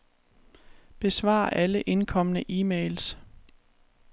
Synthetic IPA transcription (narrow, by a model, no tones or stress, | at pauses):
b̥e̝sʋɑ̰̈ːʔæləʔe̝nkʰɒ̽m̰ənəʔiːmeɪls